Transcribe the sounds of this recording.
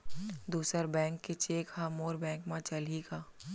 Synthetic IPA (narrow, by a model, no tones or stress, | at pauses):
d̪uːsəɾbɛ̃ːŋkːet͡ʃeːkhamoːɾbɛ̃ːŋkmãt͡ʃɐliɡaː